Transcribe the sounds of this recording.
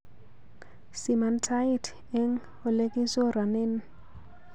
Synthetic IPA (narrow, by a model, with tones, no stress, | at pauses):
si˨ma˨ntʰa˦itʰ | ɛ˦ŋ | ʊ˨le˦kʼi˦sɔ˦ɾa˨nɪ˦n